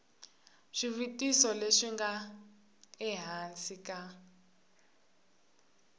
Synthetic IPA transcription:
ʂiβitʼisɔleʂiŋɡa | ɛɦansikʼa

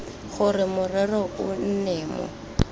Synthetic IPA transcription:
ɣʊrɪmʊrɛrɔkʊn̩nɛːmɔ̰

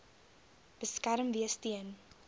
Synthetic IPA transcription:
b̥əskæɾəmviəstiən

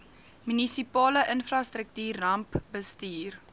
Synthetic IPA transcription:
mynisipɑːləʔənfrɑstrək̚tyːrːɐmpbəstiːr

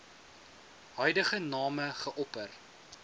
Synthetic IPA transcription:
ɦœɥjdəχənɑːməχəʔɔpər

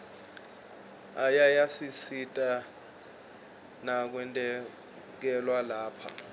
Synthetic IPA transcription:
ajajasisitʼa | nak̬wɛntʼɛ | k̬ɛlwalaːpʰa̰

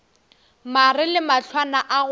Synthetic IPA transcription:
marɪlɪmaɬʰwanaʔaɣ

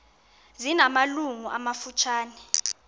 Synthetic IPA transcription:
zinamaluŋuʔamafut͡ʃʰaːnɛ

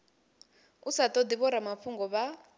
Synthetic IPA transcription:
usat̪ʼɔd̪iβɔɾamafuŋɡɔβa

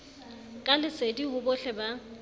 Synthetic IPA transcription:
kʼalɪsediɦʊbɔɬɛba

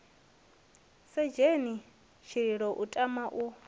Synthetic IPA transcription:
sɛd͡ʒeni | ʃʰiɺiɺɔʔutʼamaʔu

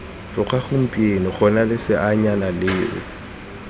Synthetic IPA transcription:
t͡ɬʼʊχʰaχʊm̩pʼienɔχɔnalɪsɪʔaɲanalɪːʔʊ̰

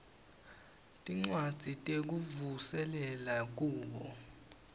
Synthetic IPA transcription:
tʼiŋ͡ǀwad̥z̥ʱitʼek̬uvusɛlɛlak̬uːɓɔ

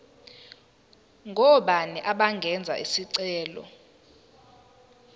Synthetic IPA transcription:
ŋʱɔɓaniʔaɓaŋɡʱɛnd͡zʱa̰ʔisiǀɛːlɔ̰

